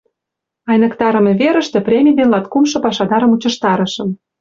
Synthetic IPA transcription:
ɑjnə̆kt̪ɑɾə̆mĕβeɾə̆ʃt̪ĕprʲemʲijd̪enlɑt̪kumʃɤ̆pɑʃɑd̪ɑɾə̆mut͡ɕɤ̆ʃt̪ɑɾə̆ʃɤ̆m

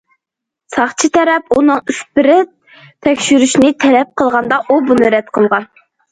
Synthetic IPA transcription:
sɑχt͡ʃʰit̪ʰɛɾɛpunɨŋyspɪɾɪ | t̪ʰɛkʲʃyɾyʃnɪt̪ʰɛɾɛp̚qʰəlˠʁɑnd̪ɑʔubunɨɾɛt̪qʰəlˠʁɑn

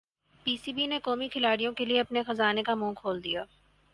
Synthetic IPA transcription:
piːsibinekoːmikʰɪlaːɽijõkelieɐpnexɐzaːnekamũːkʰoːld̪ijaː

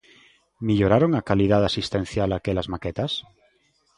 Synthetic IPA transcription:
miʎoɾaɾoŋakalið̞aðasist̪ẽn̟θjalakelazmaket̪as

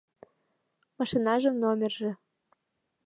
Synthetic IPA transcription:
mɑʃinɑʒɤ̆mnomʲerʒĕ

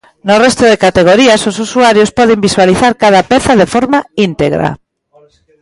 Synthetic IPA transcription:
nʊrɛst̪ʊðekat̪eɣ̞oɾiasosusuaɾjospɔð̞embiswaliθaɾkað̞apɛθaðefɔɾmaint̪eɣɾa̰

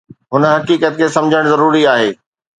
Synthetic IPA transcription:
ɦʊnə̆ɦɐkiːkət̪̚kʰeːsɐ̃md͡ʑʱəɽ̃zɐɾuːɾiaːɦeː

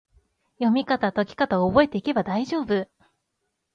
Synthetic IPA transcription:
jo̞mʲikat̪at̪o̞kʲi̥kat̪aoːbo̞e̞t̪e̞ike̞bad̪aiʑo̞ːbɯ

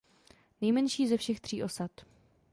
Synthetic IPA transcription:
nɛjmɛnʃiːzɛfʃɛxt̪r̝̥iːʔo̞sat̪

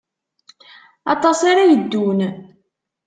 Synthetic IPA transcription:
ɑ̰t̪ˤɑsaɾajəd̪ːun

